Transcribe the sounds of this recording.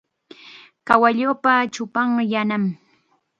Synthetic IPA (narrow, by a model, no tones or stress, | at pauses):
kawaʎoːpat͡ʃʊpɑɴjanam